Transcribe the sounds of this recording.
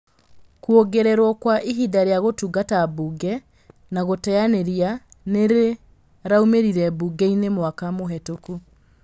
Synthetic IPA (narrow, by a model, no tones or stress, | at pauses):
kuoɡeɾɛɾwɔkwaʔiɦidaɾeaɣotuɡatabuɡɛ | naɣotɛjaneɾianeɾe | ɾaumeɾiɾɛbuɡɛinemwakamoɦɛtoku